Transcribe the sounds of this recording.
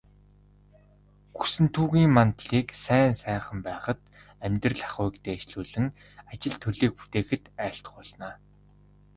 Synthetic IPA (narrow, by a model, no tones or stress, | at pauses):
ɡusɘ̆nt̪ʰuːɣiːŋmant̪ɮiːksæːnsæːχə̆mpæːχə̆t̪ | æmʲt̪rə̆ɮḁχʊjkt̪eːt͡ɕɮuːɮɘ̆ŋ | at͡ɕɪ̆ɮt̪ʰɵɮiːk̚pu̥t̪eːxɘ̆t̪æːɬt̪χʊːɮnaː